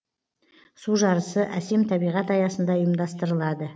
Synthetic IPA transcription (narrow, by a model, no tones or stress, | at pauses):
suʒɑɾəsəʔæse̞mt̪ʰɑbijʁɑt̪ɑjɑsənd̪ɑʊjəmd̪ɑst̪əɾəlˠɑd̪ə